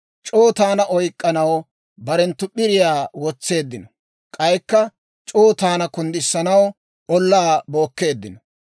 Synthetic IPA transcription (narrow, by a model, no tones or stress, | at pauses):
t͡ʃʼoːt̪aːnɐʔɔjkʼːɐnɐw | bɐɾɛnt̪ːʊɓɪɾɪjaːwɔt͡sːe̞ːd̪ːɪnɔ | kʼɐjkːɐ | t͡ʃʼoːt̪aːnɐkʊnd̪ɪsːɐnɐw | ʔɔlːaːbo̞ːkːe̞ːd̪ːɪnɔ